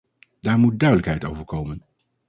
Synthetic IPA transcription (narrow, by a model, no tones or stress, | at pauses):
d̥aːɹmut̚dœɥdələkɦɛjtowvəɹkowmən